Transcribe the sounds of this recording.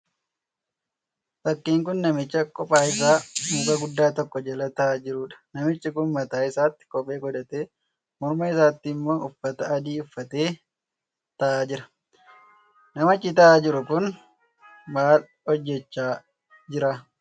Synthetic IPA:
fɐkːiːŋkʊnːɐmɪt͡ʃːɐkʼɔpʼaːɪs̬aːmuːkɐɡʊd̪ːaːt̪ɔkːɔd͡ʒɛlɐt̪ɐːd͡ʒɪɾuːᶑɐ̥nɐmɪt͡ʃːɪkʊnmɐt̪aːɪsaːt̪ːɪ̥kɔpʼe̞ːɡɔd̪ɐt̪e̞ː | mɔɾmɐɪsaːt̪ːɪmːo̞ːʔʊfːɐt̪ɐɐd̪iːʊfːɐt̪e̞ː | t̪ɐʔaːd͡ʒɪɾɐ̥ | nɐmɐt͡ʃːɪt̪ɐaːd͡ʒɪɾʊkʊn | maːl | ɔd͡ʒːɛt͡ʃːaː | d͡ʒɪɾaː

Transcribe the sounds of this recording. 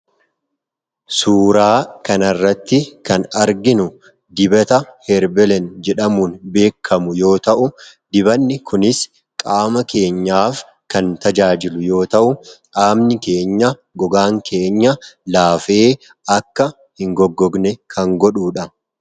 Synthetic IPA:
suːɾaːkɐnɐrːɐt̪ːɪkɐnɐɾɡɪnʊ | d̪ɪbɐt̪ɐhɛɾbɛlɛnd͡ʒɛᶑɐmuːnbe̞ːkʰːɐmʊjo̞ːt̪ɐʔʊ | d̪ɪbɐnːɪkʰʊnɪs | kʼaːmɐke̞ːɲːaːf | kɐnt̪ɐd͡ʒaːd͡ʒɪlʊjo̞ːt̪ɐʔʊ | aːmnɪke̞ːɲːɐ | ɡɔɡaːŋkʰe̞ːɲːɐlaːfe̞ː | ɐkːɐ | hɪŋɡɔɡːɔɡnɛkʰɐŋɡɔᶑuːᶑɐ

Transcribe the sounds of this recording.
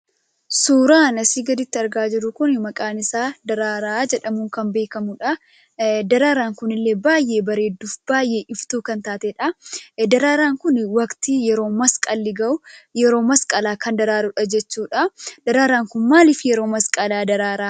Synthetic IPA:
suːɾaːnɐsiːɡɐd̪ɪt̪ːɪɐɾɡaːd͡ʒɪɾʊkʊnmɐkʼaːnɪsaːd̪ɐɾaːɾaaːd͡ʒɛᶑɐmʊːŋkɐmbe̞ːkɐmʊᶑɐ | d̪ɐɾaːɾaːŋkʊnɪlːeːbaːjːeːbɐɾeːd̪ːufb̥aːjːeʔɪft̪uːkɐnt̪aːt̪ɛᶑɐd̪ɐɾaːɾaːŋkʊnwɐkt̪ijɛɾo̞ːmɐskʼɐlːɪɡɐʔʊjɛɾo̞ːmɐskʼɐlaːkɐnd̪ɐɾaːɾʊᶑɐd͡ʒɛt͡ʃːuːᶑɐd̪̥ɐɾaːɾaːŋkʊnmaːlɪfjɛɾo̞ːmɐskʼɐlaːd̪ɐɾaːɾaː

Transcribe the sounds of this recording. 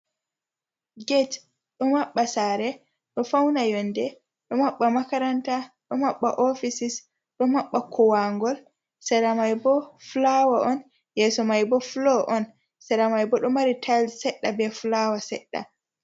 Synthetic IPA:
ɡɛt | ɗɔmaɓːasaɾɛ | ɗɔfawnajɔndɛ | ɗɔmaɓːamakaɾantaɗɔmaɓːa̰ʔofisis | ɗɔmaɓːakʰɔwaŋɡɔl | sɛɾamajbɔflawaʔɔn | jɛsɔmajbɔflɔʔɔn | sɛɾamajbɔɗɔmaɾitʰalsɛɗːabɛflawasɛ̰ɗːa̰

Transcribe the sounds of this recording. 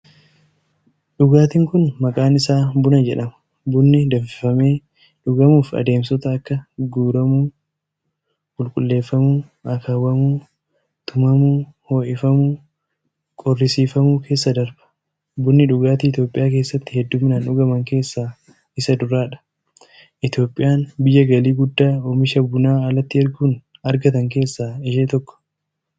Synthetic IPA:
ᶑʊɡaːt̪ɪŋkʊnmɐkʼaːnɪsaːbʊnɐd͡ʒɛᶑɐmɐ̥ | bʊnːɪd̪ɐfɪ̥fɐme̞ː | ᶑʊɡɐmuːfɐ̰d̪e̞ːmsɔt̪ɐːkːɐɡuːɾɐmuː | kʼʊlkʼʊlːe̞ːfːɐmuːɐkʰawɐmuː | t̪ʊmɐmuːho̞ːʔɪfɐmuː | kʼɔrːɪsiːfɐmuːkʰe̞ːsːɐd̪ɐɾbɐ̥ | bʊnːɪᶑʊɡaːt̪iɪt̪jo̞ːpʼːɪjaːk̬e̞ːsːɐt̪ːɪhɛd̪ːuːmɪnaːnʊɡɐmɐŋke̞ːsːaː | ɪsɐd̪ʊɾaːᶑɐ̥ | ʔɪt̪jo̞ːpʼːɪjaːnbɪjːɐɡɐliːɡʊd̪ːaːoːmɪʃɐbʊnaːɐlɐt̪ːɪɐɾɡuːnɐɾɡɐt̪ɐŋke̞ːsːaːɪʃeːt̪ɔkːɔ̥

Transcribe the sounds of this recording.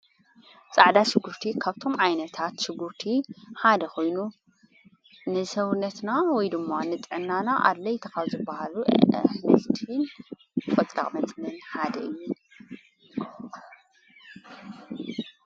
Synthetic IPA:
t͡sʼaʕd̪aʃɪɡːuɾt̪ʰikʰaβt̪ʰo̞mʕajnɐt̪ʰat̪ʃɪɡːuɾt̪ʰiħad̪ɐxʰo̞jnu | nɨsɐwnːɐt̪nawɔjd̪ɨmːanɨt̪ʼʕɨnːanaʔa̰d̪lɐjt̪ʰɐxauzɨbahaluʔħnɨlt̪ʰɨn | fʼɐt͡s̪ʼɾa̰χʼmɐt͡s̪ʼlɐnħad̪ɐʔɨjːu

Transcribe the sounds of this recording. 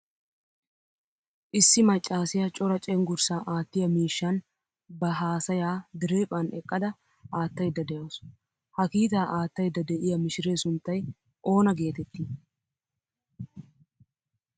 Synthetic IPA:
ʔɪsːɪmɐt͡ʃʼːaːsɪjɐt͡ʃʼɔɾɐt͡ʃʼɛŋɡʊɾsaːʔaːt̪ːɪjɐmiːʃːɐn | bɐɦaːsɐjaːd̪ɪɾe̞ːpʼːɐnʔɛ̰kʼːɐd̪ɐ | ʔaːt̪ːɐjd̪ːɐd̪ɛjoːs | hɐkiːt̪aːʔaːt̪ːɐjd̪ːɐd̪ɛʔɪjɐmɪʃɪɾe̞ːsʊnt̪ːɐj | ʔo̞ːnɐɡe̞ːt̪ɛt̪ːi

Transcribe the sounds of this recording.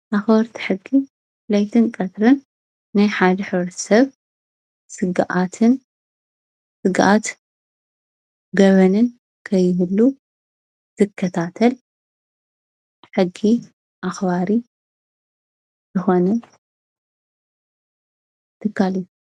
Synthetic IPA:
ʔaxbɐɾt̪ʰi̥ħɨɡːi | flajt̪ʰɨnkʼɐt̪ɾɨnː | ajħad̪ɐħɨβɾɐt̪ʰi̥sɐβ | sɨɡʔat̪ʰɨn | sɨɡʔat̪ | ɡɐβɐnɨn | kʰɐjːɪβɨlːu | z̥ɨkʰːɐt̪ʰat̪ʰɐl | ħɨɡːi | ʔaxβaɾi | zɨxo̞nɐ | t̪ʰɨkʰːalijːu

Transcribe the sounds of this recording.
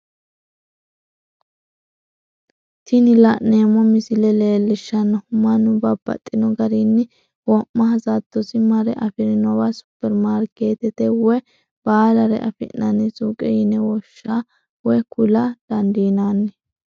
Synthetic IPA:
t̪ʰɪnɪlɐʔne̞ːmɔmɪsɪlɛle̞ːlːɪʃːɐnːɐhʊmːɐnʊbɐbːɐ̰t̪ʼːɪnɔɡɐɾinːɪ | wɔmːɐhɐzat̪ːɔsɪmɐɾɛʔɐfɪɾɪnɔwɐsʊ̥pːɛɾmaːɾke̞ːt̪ɛt̪ɛwɔ | b̥aːlɐɾɛ̰ʔɐ̰fɪ̰nɐnɪsuːkʼɛjɪnɛwɔʃːa | wɔjkʊlɐd̪̥ɐnd̪iːnaːnːɛ

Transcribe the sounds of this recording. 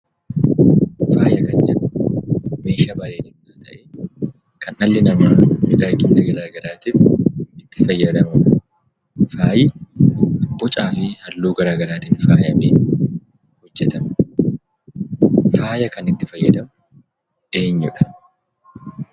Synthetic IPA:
faːjɐkɐnd͡ʒɛᶑʊ | meːʃaːbɐɾeːd͡ʒɛnjaːt̪ɐʔe | kɐnʔɐlːɪnɐmaːmɪᶑaːkːɪnd̪ɐɡɐɾaːɡɐɾaːt̪iːfɪt̪ːɪ̥fɐjːɐd̪ɐmɐ | faːjɪ | ɐbːɔt͡ʃʼaːfɪhɐlːoːɡɐɾaːɡɐɾaːt̪iːnfaːjɐmeː | hɔd͡ʒːɛt̪ɐn | faːjɐkɐnɪt̪ːɪfɐjːɐd̪ɐm | ʔeːɲːʊᶑɐ̥

